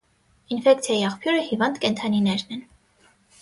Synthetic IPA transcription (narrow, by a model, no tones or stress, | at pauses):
infɛk̚t͡sʰjɑjiɑχpʰjuɾəhivɑnd̪kɛnt̪ʰɑninɛɾnɛn